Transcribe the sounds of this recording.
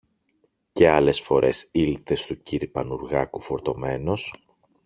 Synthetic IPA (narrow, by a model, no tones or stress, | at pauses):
ce̞ɐle̞sfo̞ɾʔe̞silt̪e̞st̪uciɾipɐnuɾɣɐkufo̞ɾt̪ome̞no̞s